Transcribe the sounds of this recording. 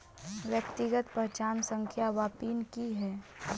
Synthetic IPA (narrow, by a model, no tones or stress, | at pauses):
ʋjəkt̪iɡət̪pət͡ʃaːnsə̃ŋkʰjaʋaːpiːnkiɦɛː